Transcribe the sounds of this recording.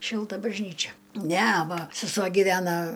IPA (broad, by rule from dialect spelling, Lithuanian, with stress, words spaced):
ˈʃʲɪlˠtɐ bɐʒʲˈnʲiːt͡ʃʲɛ ˈnʲɛ ˈʋɐ sʲɛˈsuɔ ɡʲiːˈʋʲæːnɐ